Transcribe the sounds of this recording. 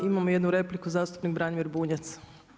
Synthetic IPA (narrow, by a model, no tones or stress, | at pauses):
imamoje̞d̪nuɾe̞plikuzaːst̪u̥pnik̚bɾaːnmiɾbuːɲet̪s